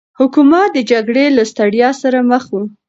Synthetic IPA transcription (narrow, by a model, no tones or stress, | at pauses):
hʊkumat̪̚d̪əd͡ʒaɡɽelast̪aɽjɑsaɾaməxwu